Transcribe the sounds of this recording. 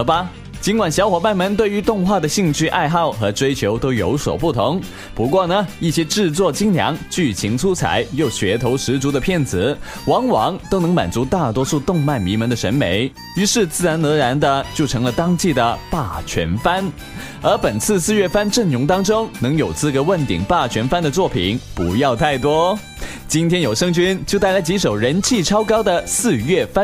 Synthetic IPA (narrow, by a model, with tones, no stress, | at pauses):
bɐ˩ | t͡ɕi˧˥nkwa˨˩nɕjɑ˧˥ʊxwɔ˨˩ma˥˩nmə˧˥nt̪we˥˩ɪy˧˥t̪ʊ˥˧ŋxwa˥˩d̪ə˩ɕi˥˧ŋt͡ɕʰy˥ʔa˥˧ɪxɑ˥˩ʊxɤ˧˥ʈ͡ʂwe˥ɪt͡ɕʰjo˧˥ʊt̪o˥ʊjo˧˥ʊswɔ̰˨˩ʊpu˥˩t̪ʰʊ˧˥ŋ | pu˧˥kwɔ˥˩nə˩i˥˩ɕjɛ˥ʈ͡ʂɻ̩˥˧t͡swɔ˥˩t͡ɕi˥ŋljɑ̰˧˥ŋt͡ɕy˥˩t͡ɕʰi˧˥ŋt͡sʰu˥t͡sʰa̰˨˧˥ɪjo˥˩ʊɕɥɛ˧˥t̪ʰo˧˥ʊʂɻ̩˧˥t͡su˧˥d̪ə˧pʰjɛ˥˩nt͡sɹ̩˨˩˦ | wɑ˧˥ŋwɑ˧˥ŋt̪o˥ʊnɤ˧˥ŋma̰˨˩nt͡su˧˥t̪a˥˩t̪wɔ˥ʂu˥˧t̪ʊ˥˧ŋma˥˩nmi˧˥mə˧˥nd̪ə˨ʂə̰˧˥nme˧˥ɪ | y˧˥ʂɻ̩˥˧t͡sɹ̩˥˩ɻa˧˥nɤ˧˥ɻa˧˥nd̪ə˧t͡ɕjo˥˩ʊʈ͡ʂʰɤ˧˥ŋlə˧t̪ɑ˥ŋt͡ɕi˥˩d̪ə˩pa˥˩t͡ɕʰɥɛ̰˧˥nfa˥n | ə˞˧˥pə˨˩nt͡sʰɹ̩˥˧sɹ̩˥˧ɥɛ˥˩fa˥nʈ͡ʂɤ˥˩ŋjʊ˧˥ŋt̪ɑ˥ŋʈ͡ʂʊ˥ŋnɤ˧˥ŋjo˨˩ʊt͡sʰɹ̩˥˧˩kə˧˥wə˥˩nt̪ḭ˨˩ŋpa˥˩t͡ɕʰɥɛ˧˥nfa˥nd̪ə˨t͡swɔ˥˩pʰḭ˨˩˦npu˧˥jɑ˥˧ʊt̪ʰa˥˩ɪt̪wɔ˥ | t͡ɕi˥nt̪ʰjɛ˥njo˨˩ʊʂɤ˥ŋt͡ɕy˥nt͡ɕjo˥˧ʊt̪a˥˩ɪla˧˥t͡ɕi˧˥ʂo˨˩ʊɻə˧˥nt͡ɕʰi˥˩ʈ͡ʂʰɑ˥ʊkɑ˥ʊd̪ə˨sɹ̩˥˧ɥɛ˥˩fa˥n